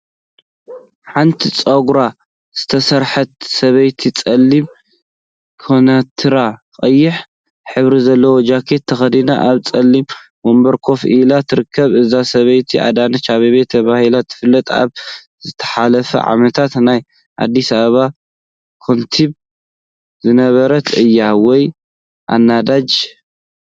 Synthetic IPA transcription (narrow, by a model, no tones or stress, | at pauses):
ħant̪ʰit͡sʼoɡɾa | z̥ɨt̪ʰɐsɐɾħɐt̪̚sɐβɐjt̪ʰit͡sʼɐlːim | kʰonɐt̪ʰɨɾakʼɐjːɪħ | ħɨβɾizɐlːɐwod͡ʒakʰe̞t̪ʰːɐxɐd̪ina̰ʔaβt͡sʼɐlːimbo̞mbɐɾkʰo̞fʔɨ̰lat̪ʰɨɾɨkʰːɐβɨzasɐβɐjt̪ʰiʔa̰d̪anɐt͡ʃaβiβet̪ʰːɐβahilat̪ʰːɨ̥fɨlːɐt̪ʼa̰β | z̥ɨt̪ʰɐ̥ħalɐfɐ̰ʕa̰mɐt̪ʰat̪naj | ʔa̰d̪ːisaβɐβa | kʰo̞nt̪ʰiβ | zɨnɐβɐɾɐt̪ʰɨjːawɔj | ʔa̰nːad̪ad͡ʒ